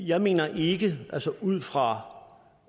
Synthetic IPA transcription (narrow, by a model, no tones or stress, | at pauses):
jɑ̈ɪme̝̰ːnɐʔe̝ɡ̥əʔælsəʔuð̞̰ˠfʁɑ̈